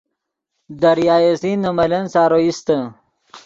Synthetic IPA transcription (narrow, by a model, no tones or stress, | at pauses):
d̪ɐɾjaːjesinːɐmɐlɐnsaːɾoist̪ə